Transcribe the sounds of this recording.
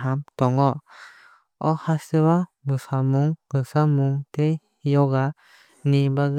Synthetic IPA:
ɦamt̪ɔŋɔ | ɔhasɯβa | bɯsamuŋɡɯsamuŋt̪e | jɔɡa | nibaɡ

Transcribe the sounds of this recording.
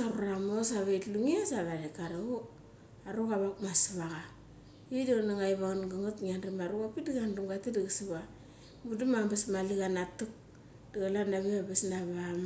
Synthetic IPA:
aɾuɾamosaβejtluŋiasaɾaɾekaɾau | aɾukaβakmasaβaɣa | idanaŋajβaŋnɡaŋutŋanɾimaɾukapidiɡanrumɡatidiɡasiβa | mudimabesmaliɡanatuk̚ | d̥iɣalanaβeabesnaβam

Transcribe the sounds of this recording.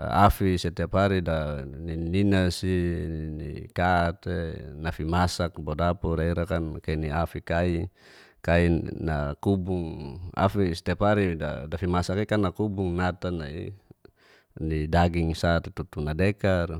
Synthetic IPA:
a̰fisɛt̪ɛpaɾidanininasinḭkat̪enafimasak̚bodapuɾaiɾakankainiafikai | kainakubuŋa̰fisɛ̥t̪ɛpaɾida̰dafimasakikanːakubuŋnat̪anai | nidaɡiŋsat̪et̪ut̪unadɛkar

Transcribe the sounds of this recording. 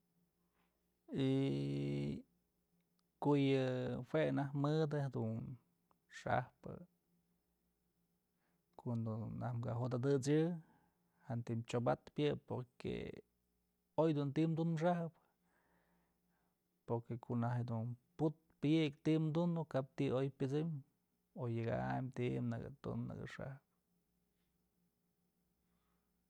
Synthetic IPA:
i | kojɨhwenahmɨd̪ɨhed̪un | ʂa̰hpɨ̰ | kond̪onahmkaɦod̪ad̪ɨt͡sɨ | hant̪imt͡ʃoba̰t̪pʲjɨpoɾkḛ | ojd̪unt̪imd̪unmʂ̬ahɨp | poɾkekʰoʔnahed̪unput̪̚pɨjɨkt̪iʔmd̪und̪ukap̚t̪iojpʲɨt͡sɨm | ojɨɡa̰mt̪iʔmnɨɡɨ̰t̪ṵnnɨ̰ɡɨ̰ʂa̰hp

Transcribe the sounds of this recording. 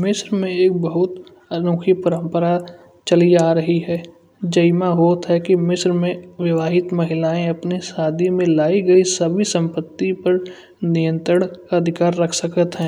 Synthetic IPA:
mɪsɾmẽeːk̚bɐɦʊt̪ | ɐnuːkʰipɐɾə̃mpəɾa | t͡ʃɐliaːɾɐɦiɦɛː | d͡ʒɐjmaɦoːt̪ɦɛkimɪsɾmẽʋjɐʋaːɦɪt̪mɐɦɪlaːẽɐpnisaːd̪ʱimẽlaːiɡɐisɐbʱisɐ̃mpət̪ːipɐɾ | nɪjə̃nt̪ɾəɳkaɐd̪ʱɪkaːɾːɐkʰsəkət̪ɦɛ̃ː

